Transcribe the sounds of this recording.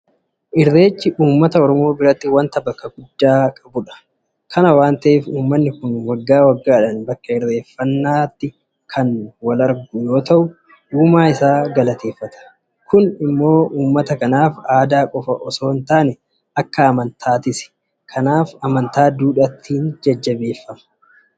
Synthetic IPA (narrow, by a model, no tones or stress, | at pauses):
ʔɪrːe̞ːt͡ʃːɪʔuːmːɐt̪ɐɔɾɔmo̞ːbɪɾɐt̪ːɪwɐnt̪ɐbɐkːɐɡʊd̪ːaːkʼɐbʊᶑɐ̥ | kʰɐnɐwaːnt̪ɐʔeːfuːmːɐnːɪkʊnwɐɡːaːwɐɡːaːᶑɐnbɐkːɐɪrːe̞ːfːɐnːaːt̪ːɪ | kʰɐnwɐlɐɾɡʊjo̞ːt̪ɐʔʊ | uːmaːɪsaːɡɐlɐt̪ʰe̞ːfːɐt̪ʰɐ̥ | kʊnɪmːo̞ːʔuːmːɐt̪ɐkɐnaːfaːd̪aːkʼɔfɐ̰ʔɔso̞ːnt̪aːnɛ | ɐkːɐːmɐnt̪ʰaːt̪ɪsɛ̥ | kʰɐnaːfɐmɐnt̪aːd̪uːᶑɐt̪ʰːiːnd͡ʒɐd͡ʒːɐbe̞ːfːɐmɐ̥